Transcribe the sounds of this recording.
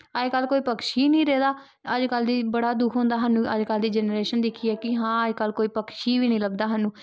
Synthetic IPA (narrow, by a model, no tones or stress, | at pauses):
əd͡ʒkəlkoːiːpəkʃiːnĩːɾɛːd̪aː | əd͡ʒkəld̪iːbəɽaːd̪ʊkʰõːnd̪aːɦanũːə̰d͡ʒkəld̪iːd͡ʒɛnɾeːʃənd̪ɪkʰiːɛːkɪɦãːəd͡ʒkəlkoːiːpəkʰʃiːʋiːnĩːləbd̪aːɦənːũː